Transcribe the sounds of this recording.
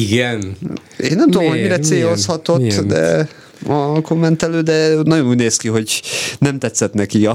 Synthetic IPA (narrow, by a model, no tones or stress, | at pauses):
iɡɛn | eːnːɛmt̪ud̪omɦomiɾɛt̪seːjoshɒt̪o̞t̪ːd̪ɛ̰ | ɒkomːɛnt̪ɛløːd̪ɛnɒɟonuːɟneːskiɦo̞ɟnɛmt̪ɛt̪sːɛt̪nɛkiɒ